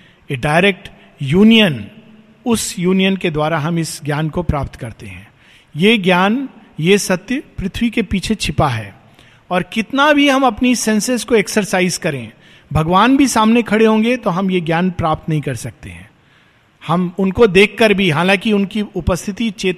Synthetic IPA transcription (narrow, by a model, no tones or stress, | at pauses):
jeɖaːɪɾeːk̚ʈ | juːnijən | ʊsjuːnijənked̪waːɾaɦɐmɪsɡjaːnkopɾaːpt̪kɐɾt̪eɦɛ̰̃ː | jeɡjaːn | jesɐt̪jəpɾɪt̪ʰwikepiːt͡ʃʰet͡ʃʰɪpaɦɛ̰ː | ɔːɾkɪt̪nabʱiɦɐmɐpnisɛ̃nsəskoeksəɾsaːɪzkɐɾḛ̃ | bʱɐɡʋaːnbʱisaːmnekʰɐɽeɦõːŋɡet̪oɦɐmjeɡjaːnpɾaːp̚t̪nɐɦĩkɐɾsɐk̚t̪ḛɦɛ̰̃ː | hɐmʊnkod̪eːkʰːɐɾbʱiɦaːlãːkiʊnkiʊpəst̪ʰɪt̪it͡ʃeːt̪